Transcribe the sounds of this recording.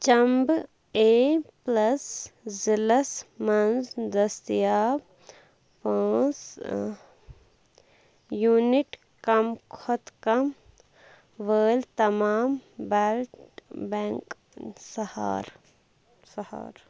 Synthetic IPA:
t͡ʃɐmb | eːplɐszilɐsmɐnsd̪ɐst̪jaː | paːs | juːniʈ | kɐmkʰot̪kɐm | ʋəːlt̪ɐmaːmbɛːlʈbɛ̃ːŋk | sɐha̰ːɾ | sɐha̰ːɾ

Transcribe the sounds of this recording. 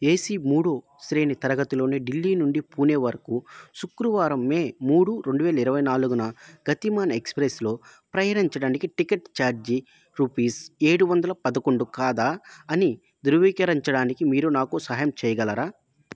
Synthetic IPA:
e̞ːsimuːɽoː | sɾeːnit̪ɐɾɐɡɐt̪ilo̞ːneːɖilːiːnuɳɖipuːneːʋɐɾɐkusukɾuʋaːɾɐmːe̞ːmuːɽuɾe̞ɳɖuʋɛːlɐiɾɐʋɐjnaːluɡunɐɡ̥ɐt̪imaːnɐekspɾeslo̞ːpɾɐjɐɽiɲt͡ʃɐɽaːnikiʈikeʈt͡ʃaːɾd͡ʒi | ɾuːpiːse̞ːɽuʋɐnd̪ɐlɐpɐd̪ɐko̞ɳɖukaːd̪aːɐni | d̪uɾʋiːkɐɾɐɲt͡ʃɐɽaːnikimiːɾunaːkusɐɦɐjɐmt͡ʃɛːjɐɡɐlɐɾaː

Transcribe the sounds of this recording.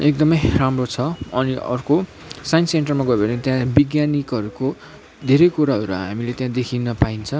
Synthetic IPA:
ek̚d̪ʌmʌjramrot͡sʰʌʌniʌ̰rko | sajnsenʈʌrmaɡʌbʌnet̪jãbiɡjanikʌɾuko | d̪ʱeɾʌjkuɾaʌɾuɦa̰milet̪jãd̪ekʰinʌpaint͡sʰʌ

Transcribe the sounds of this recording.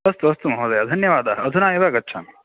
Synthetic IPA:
ɐst̪uɐst̪umɐɦoːd̪ɐjɐd̪ʱɐnjɐʋaːd̪ɐɐɐd̪ʱunaːjɐʋɐɐɡɐtːʃʰa̰ːn

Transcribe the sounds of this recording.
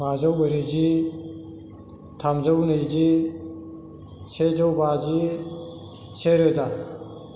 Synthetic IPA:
bazawbɯɾizi | tʰamzawnɯjzi | sezawbazi | seɾɯza

